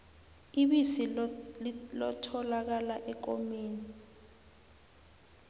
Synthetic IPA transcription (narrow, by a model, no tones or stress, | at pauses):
iɓisi | lɔtʰɔlak̬alaʔɛk̬omeːni